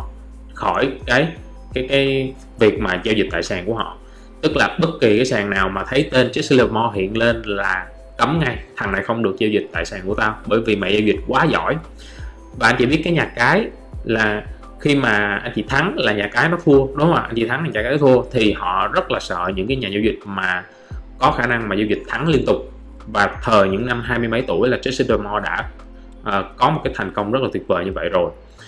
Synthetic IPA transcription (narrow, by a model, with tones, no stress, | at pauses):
xɔ˧˩jkaː˨˦j | kaː˨˦jkaː˨˦j | vi˨˩ək̚maː˨˩ze˧wzi˨˩t̪a̰ː˧˨saː˨˩ŋku˧˩əhɔ̰˧˨ | t̪ɨ˦˥k̚laː˨˩ɓə˦˥t̚ki˨˩kaː˨˦jsaː˨˩ŋnaː˨˩wmaː˨˩t̪ʰə˨˦jt̪e˧nt͡ɕi˦˥ksle˧mɔ˧ɦḭ˧˨ənle˧nlaː˨˩ | kə˨˦mŋa˧jt̪ʰa˨˩ŋna˨˩xə˧wŋ͡mɗɨ˨˩ək̚zi˧wzi̟˨˩t̪a̰ː˧˨jsaː˨˩ŋku˧˩ət̪aː˧wɓəː˧˩jvi˨˩ma̰ː˨jzə˧wzï˨˩t̟̚kwaː˨˦zɔ̰˧˩j | vaː˨˩ʔa˧n̟t͡ɕi˧˩ɓi˦˥ət̚kaː˨˦jɲaː˨˩kaː˨˦j | laː˨˩ | xi˧maː˨˩ʔa˧n̟t͡ɕḭ˧˨˩t̪ʰa˨˦ŋlaː˨˩ɲaː˨˩kaː˨˦jnɔ˨˦t̪ʰu˧əɗʊ˨˦ŋ͡mhaː˧˩ʔa̰˧nt͡ɕḭ˧˨t̪ʰa˨˦ŋlaː˨˩ɲaː˨˩kaː˨˦jnɔ˦t̪ʰu˧ət̪ʰi˨˩hɔ̰˧˨zə˦˥t̚laː˨˩sə̰ː˧˨ɲɨ̰˧˥ŋkaː˨˦jɲaː˨˩za˧wzï˨˩k̚maː˨˩ | kɔ˨˦xaː˧˩na˧ŋmaː˨˩zaː˧wzï˨˩k̟̚t̪ʰa˨˦ŋli˧ənt̪ʊ˨˩k͡p̚ | vaː˨˩t̪ʰəː˨˩ɲɨ̰˧˥ŋna˧mɦaː˧jmɨ˧jmə˨˦jt̪ṵ˧˩əjlaː˨˩t͡ɕi˨˦˥si˧nɗo˧mɔ˧ɗa̰ː˧˥ | ʔəː˨˩kɔ˨˦mo˨˩t̚kaː˨˦jt̪ʰa˨˩jŋ̟kə˧wŋ͡mzə˦˥laː˨˩t̪w̚vəː˨˩ɲɨ˧və̰˧˨jzo˨˩j